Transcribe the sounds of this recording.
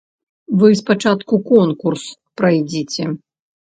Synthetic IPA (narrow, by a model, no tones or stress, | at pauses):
vɨspat͡ʂat̪kukɔnkurspɾajd͡zʲit͡sʲɛ